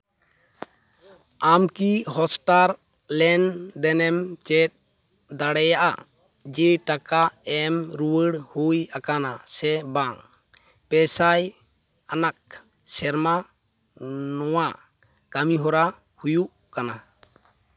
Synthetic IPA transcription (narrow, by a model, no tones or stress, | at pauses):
amkiɦɔsʈaɾ | lɛnd̪ɛnɛmt͡ʃɛt̚ | d̪aɽɛjaʔa̰ | d͡ʒɛʈakaɛmɾuwəɽhujakanasɛbaŋ | pɛsaj | anak̚ | sɛɾma | nɔwa | kamiɦɔɾa | hujuʔ | kana